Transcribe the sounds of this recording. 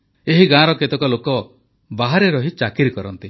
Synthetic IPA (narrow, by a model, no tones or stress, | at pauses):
eɦiɡãɾɔket̪ɔkɔlokɔ | baɦaɾeɾɔɦit͡ʃakiɾkɔɾɔnt̪i